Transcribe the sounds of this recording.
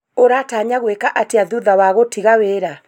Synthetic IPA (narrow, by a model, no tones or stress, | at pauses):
oɾataɲaɣwekaʔateaðuðawaɣotiɣaweːɾa